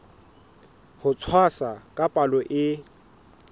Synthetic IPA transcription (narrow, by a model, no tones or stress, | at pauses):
hʊt͡sʰwasakʼapʼalɔʔɪ